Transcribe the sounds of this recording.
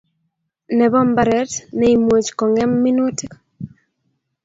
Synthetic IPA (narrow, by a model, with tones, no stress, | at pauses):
nɛ˨βɔ˦mbaɾɛ˨tnɛ˨i˨mwo˨t͡ʃkɔ˨ŋɛ˦mːɪ˦nwo˦ti˦k